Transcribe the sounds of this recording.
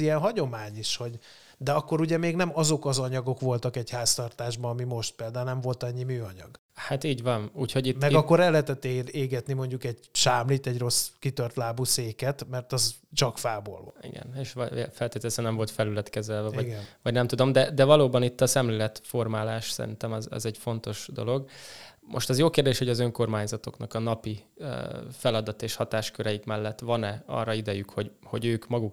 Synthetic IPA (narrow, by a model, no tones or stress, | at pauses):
ijɛnɦɒɟo̞maːɲiʃho̞ɟ | d̪ɛɒkːo̞ɾuɟɛmeːɡnɛmɒzo̞kɒzɒɲɒɡo̞kʋo̞lt̪ɒkɛɟhaːst̪ɒrt̪aːʒbɒɒmimo̞ʃt̪̚peːld̪aːunɛmvo̞lt̪ɒɲːimyːɒɲɒ̰ɡ | hat̪iːɟvɒnuːcho̞ɟit̪mːmɛɡɒkːo̞ɾɛlːɛɦɛt̪ɛt̪ːeeːɡɛt̪nimo̞ɲɟukɛɟʃaːmlit̪ɛɟro̞skit̪ørt̪laːbuseːkɛt̪mɛrt̪ɒzt͡ʃɒkfaːbo̰lvɒ̰ḭɡɛ̰neːʃʋfɛlt̪eːt̪ɛlɛsɛnɛɱvo̞lt̪fɛlylɛt̪kɛzɛlvɛvɒiɟɡvɒɟnɛmt̪ud̪o̞md̪ɛd̪ɛvɒloːbɒnit̪ːɒsɛmleːlɛt̪fo̞rmaːlaːʃsɛ̰ɾḭnt̪ɛmɛzɛ̰zɛɟfo̞nt̪o̞ʃd̪o̞̰lo̞ɡmʔo̞̰ʃt̪ɛzjoːkeːrd̪eːʃho̞ɟɒzøŋko̞rmaːɲzɒt̪o̞̰knɒkɒnɒpi | fɛlɒd̪ɒt̪eːʃhɒt̪aːʃkøɾɛikmɛlːɛt̪ːʋɒnɛɒ̰ːrːɒid̪ɛjykho̞ɟho̞ɟøːkmɒɡuk